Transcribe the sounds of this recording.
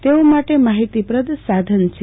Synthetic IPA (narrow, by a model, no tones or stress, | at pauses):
t̪eomaʈemaɦit̪ipɾəd̪ʱsad̪ʱənt͡ʃʰe